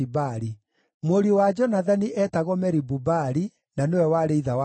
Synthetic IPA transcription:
ibaɾi | moɾiowad͡ʒɔnaðaniʔɛtaɣɔmɛɾibubaɾi | nanewɛwaɾeiðawa

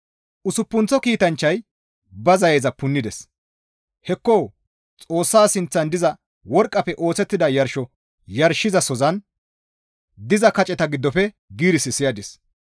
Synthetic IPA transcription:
ʔʊsʊpːʊnt͡sɔkiːt̪ɐnt͡ʃːɐj | bɐzɐjeːzɐpʊnːɪd̪ɛs | hɛkːoː | t͡sʼo̞ːsːaːsɪnt͡sːɐnd̪ɪzɐ | wɔɾkʼːɐpɛʔo̞ːt͡sɛt̪ːɪd̪ɐjɐɾʃɔ | jɐɾʃɪzɐsɔzɐn | d̪ɪzɐkɐt͡ʃʼɛt̪ɐɡɪd̪ːɔfɛ | ɡiːɾɪsɪsɪjɐd̪ɪs

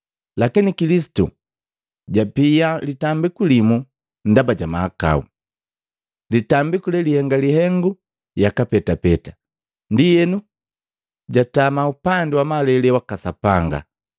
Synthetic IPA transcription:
lakinikilis̬i̥tṵ | ɟapialitambikulimu | n̩dabaɟamahaka̰ṵ | litambikulɛlihɛŋɡalihɛŋɡu | jakapɛtapɛta | ndijɛnu | ɟatamaupandɛwamalɛlɛwakasapaŋɡa̰

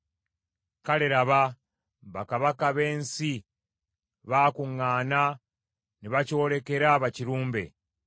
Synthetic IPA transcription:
kaleɾaβa | βakaβakaβe̞ːnsi | βaːkuŋːaːna | niβacoɾe̞ke̞ɾaβaciɾuːmbe̞̰

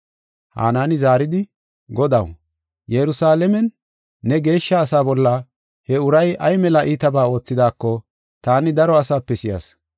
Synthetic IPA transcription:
ha̰ːnaːnɪzaːɾɪd̪ɪ | ɡɔd̪ɐw | jɛɾʊsaːlɛmɛnː | ɛɡe̞ːʃːɐːsaːbɔlːɐ | hɛʊɾɐjɐjmɛlɐʔiːt̪ɐbaːo̞ːt͡sːɪd̪aːkːɔ | t̪aːnɪd̪ɐɾɔɐsaːpːɛsɪja̰s

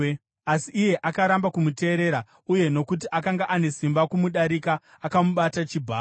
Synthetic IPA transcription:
asiːje̞ʔakaɾambakumute̞ːɾe̞ɾa | uje̞no̞kut̬iʔakaŋɡaʔane̞simbakumuɗaɾikaː | kamuɓatat͡ʃibʱaː

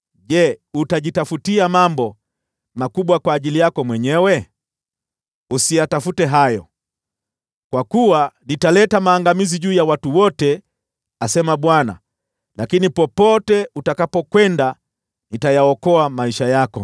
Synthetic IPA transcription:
ʄɛutaʄitafutiamambɔ | makuɓwakwaːʄilijakɔmwɛɲɛwɛ | usijatafutɛɦajɔ | kwakuwanitalɛtamaːŋɡamiziʄuːjawatuwɔtɛ | asɛmaɓwana̰ | lakinipɔpɔtɛutakapɔkwɛnda | nitajaɔkɔamaiʃajakɔ̰

